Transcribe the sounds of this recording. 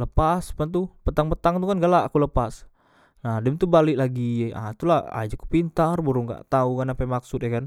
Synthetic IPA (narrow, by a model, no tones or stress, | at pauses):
ləpaspant̪̬upət̪aŋpət̪aŋt̪ukanɡaʔlaakuləpas | nahdəmt̪ubalɪʔlaɡia̰t̪ulaa̰d͡ʒaku̥pint̪arbuɾuŋɡa̰ʔt̪aukanapɛmaksʊt̪̚jakan